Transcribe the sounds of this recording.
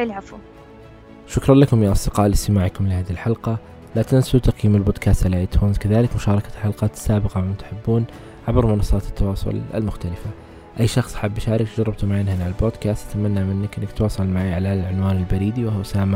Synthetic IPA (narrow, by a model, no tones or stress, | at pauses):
ɪlʕafu | ʃʊkɾˤɑnlakʊmjaʔɑsˤd̪ɪqɑːʔlɪst̪ɪmaːʕkʊmlɪhaːðihilħɑlqɑ | lat̪ansut̪ɑqjiːmɪlboːd̪kʰaːst̪ʕalaʔajt̪ʰuːnzkaðaːlɪkmʊʃɑːɾˤɑkalħalqɑːt̪sːaːbɪqɑmakʊmt̪ħɪbːuːn | ʕabɾmʊnɑsˤːɑːt̪ɪ̥t̪ːɑwɑːsˤʊ̰l̰lmʊxt̪alɪfa | ʔajːʃɑxsˤḁħabːaʃaːɾɪkt̪d͡ʒɑɾˤːɪb̚t̪ʊmaʕɪnhanaʕalboːd̪kaːst̪ʔat̪amanːamɪnːɪkʔɪnːɪkt̪wɑːsˤɑlmaʕaʕalalʕʊnwaːnɪlbaɾiːd̪iwahʊwsaːma